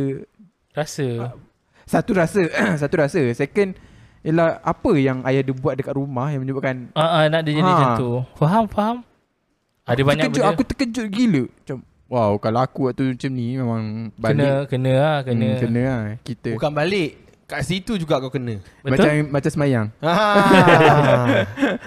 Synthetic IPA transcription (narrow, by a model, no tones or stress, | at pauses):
rasə | sat̪uɾasəs̬at̪uɾasəsekən | jəlahapəjaŋajahdibuat̪̚dəkat̪̚rumahjãŋməɲəbaʔ̚kanəʔənaʔdid͡ʒanĩat̪ufaɦamfaɦam | adəbaəɲakəd͡ʒʊakut̪ə̥kəd͡ʒʊʔ̚ɡiləʔmat͡ʃam | wawkalaakuwaʔt̪umat͡ʃamnimemãŋbalikənə̃akəkənə̃ahkit̪əbkanbalɪʔ | kaʔsit̪ud͡ʒuɡakakənə̃ | bəmat͡ʃammat͡ʃamsəmajaŋa